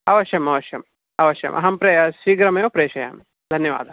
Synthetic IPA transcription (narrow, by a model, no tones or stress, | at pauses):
ɐʋɐʃjɐmɐʋɐʃjɐm | ɐʋɐʃjɐ̰mʔɐ̰ɦɐmpɾeːjɐʃiːɡɾɐmɐjoːpɾeːʂɐja̰ːm | d̪ʱɐnjɐʋa̰ːd̪ʱɐ